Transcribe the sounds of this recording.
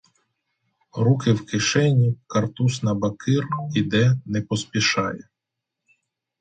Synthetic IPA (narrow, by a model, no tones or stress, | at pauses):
ɾukɪwkɪʃɛnʲikɐrt̪usnɐbɐkɪrid̪ɛnɛpɔspʲiʃɑjɛ